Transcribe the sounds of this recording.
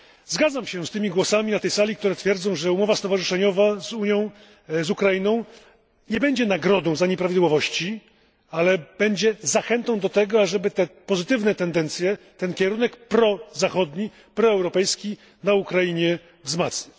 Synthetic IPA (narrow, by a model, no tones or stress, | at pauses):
zɡad̪zamɕɛst̪ɘmʲiɡwɔsamʲinat̪ɛjsalʲik̚t̪uɾɛt̪fʲjɛɾd̪zɔ̃w̃ʐɛumɔvast̪ɔvaʐɨʂɛɲɔvazuɲjɔ̃w̃ | zukɾajinɔ̃w̃ | ɲɛbɛɲd͡ʑɛnaɡɾɔd̪ɔ̃w̃zaɲɛpɾavʲid̪wɔvɔɕt͡ɕi | alɛb̥ɛɲd͡ʑɛzaxɛnt̪ɔ̃w̃d̪ɔt̪ɛɡɔaʐɛbɘt̪ɛpɔzɘt̪ɘvnɛt̪ɛnd̪ɛnt̪sʲjɛt̪ɛnkʲɛɾunɛkpɾɔzaxɔd̪ɲi | pɾɔɛwɾɔpɛjskʲi | naukɾajiɲɛ | vzmat̪sʲɲi